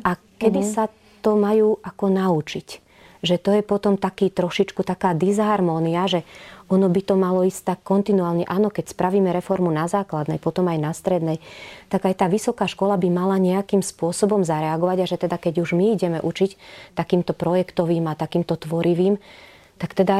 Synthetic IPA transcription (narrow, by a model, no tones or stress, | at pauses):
ʔa | kɛd̪isa | t̪ɔmajuːʔakɔnaut͡ʃic | ʒɛt̪ɔjɛpɔt̪ɔmt̪akiːt̪ɾɔʃit͡ʃkut̪akaːd̪izɦaɾmɔːniaʒɛɔnɔbit̪ɔmalɔisct̪akːɔnt̪inuaːlɲɛʔaːnɔkɛcspɾaʋiːmɛɾɛfɔɾmunazaːklad̪nɛjpɔt̪ɔmajnast̪ɾɛd̪nɛjt̪aɡajt̪aːʋisɔkaːʃkɔlabimalaɲɛakimspʊɔsɔbɔmzaɾɛaɡɔʋaɟaʒɛt̪ɛd̪akɛɟuʒmiiɟɛmɛʔut͡ʃict̪akiːmt̪ɔpɾɔjɛkt̪ɔʋiːmat̪akiːmt̪ɔt̪ʋɔɾiʋiːm | t̪akt̪ɛd̪a